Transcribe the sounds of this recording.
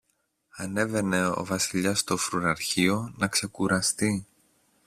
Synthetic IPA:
ɐne̞ve̞ne̞o̞̰vɐsiʎɐst̪o̞fɾuɾɐɾçio̞nɐkse̞kuɾɐst̪i

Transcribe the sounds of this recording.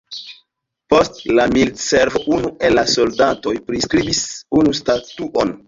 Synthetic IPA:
po̞stlamildseɾvoʔunuʔe̞lːaso̞ldato̞jpɾiskɾibisunustatuʔon

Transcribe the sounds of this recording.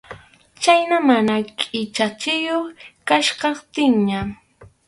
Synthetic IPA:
t͡ʃajnamanakʼɪt͡ʃat͡ʃɪjoχkaʃɢɑχt̪ɪŋɲa

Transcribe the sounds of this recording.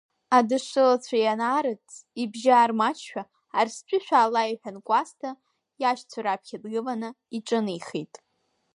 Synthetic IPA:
adɨʂɨlat͡sʷʰajanaːɾɨt͡sʰibʒaːrmat͡ʃʰᶣaː | rspʷʼɪʃᶣaːlaiħᶣankʷʼastʰa | jaʃt͡sʷʰaɾapʰkʲadɡɨlanɨ | iʈ͡ʂʼɨnijχitʼ

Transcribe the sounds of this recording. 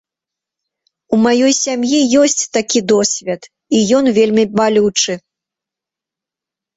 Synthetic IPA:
umajɔjsʲamjijɔsʲt͡sʲt̪akʲid̪ɔsʲvʲɛt̪ | ijɔnvʲelʲmʲimalʲut͡ʂɨ

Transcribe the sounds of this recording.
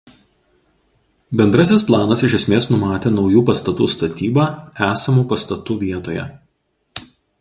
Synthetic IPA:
bʲɛnd̪ɾɐsʲɪsplˠɑːnɐsɪʃʲɛsʲmʲeːsnʊmɑːt̪ʲeːnɒʊjuːpɐst̪ɐt̪uːst̪ɐt̪ʲiːbɑːæːsɐmuːpɐst̪ɐt̪uːʋʲiɛt̪oːjɛ̰

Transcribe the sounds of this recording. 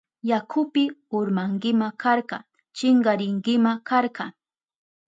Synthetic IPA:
jakʰʊpɪʊɾmaŋɡɪmakaɾɢɑ̰ | t͡ʃɪɴɢɑɾɪŋɡɪmakaɾɢɑ

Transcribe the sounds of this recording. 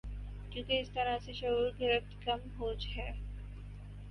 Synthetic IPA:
kjõːkeɪst̪ɐɾaseʃɐɦuːɾɡɪɾəft̪kɐmɦoːd͡ʒɦɛː

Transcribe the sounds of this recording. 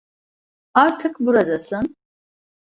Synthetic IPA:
aɾt̪ʰɯkbuɾad̪asɯn

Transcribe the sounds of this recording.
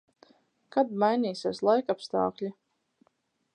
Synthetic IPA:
kad̪majnʲiːsʲeslˠajkapst̪ɑ̰ːklʲi

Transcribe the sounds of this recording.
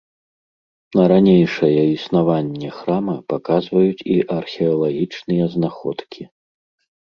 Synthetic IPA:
nɐɾanʲejʂɐjɛisnavanʲːɛxɾamɐpakazvɐjut͡sʲiʔɐrxʲɛɐlˠaɣʲit͡ʂnɨjɛznaxɔ̰t̪kʲʰi

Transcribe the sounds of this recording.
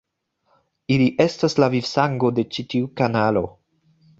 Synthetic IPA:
iliʔe̞staslavifsaŋɡo̞de̞t͡ʃitiukanalo̞

